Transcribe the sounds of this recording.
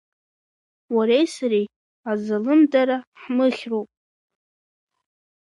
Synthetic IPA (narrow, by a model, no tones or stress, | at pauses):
waɾejsaɾi | azalɨmdaɾaħmɨχʲrowpʼ